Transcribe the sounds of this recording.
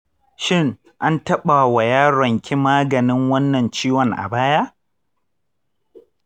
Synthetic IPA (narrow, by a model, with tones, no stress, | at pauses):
ʃɪ˦ŋ | ʔa˦ntɐ˦ɓa˨wa˨jaː˦ɾɐ˨ŋkʲʰi˦maː˦ɡɐ˨nɪ˦ŋwɐ˦nːɐ˨nt͡ʃiː˦wɔ˨ŋʔa̰˨baː˦ja˦